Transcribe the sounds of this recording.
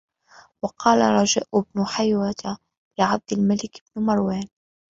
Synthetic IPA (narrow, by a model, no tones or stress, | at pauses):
wɑqɑːlaɾˤɑd͡ʒaːʔʊbnʊħajwat̪a | lɪʕab̚d̪ɪlmalɪkb̥nmɑɾˤwaːn